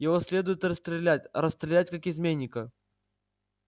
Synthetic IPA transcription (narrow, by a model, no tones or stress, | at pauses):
jɪvosʲlʲe̞d̪ʊjɪt̪rəst̪ɾʲɪlʲætʲɾəst̪ɾʲɪlʲætʲkakɪzmʲenʲːɪkə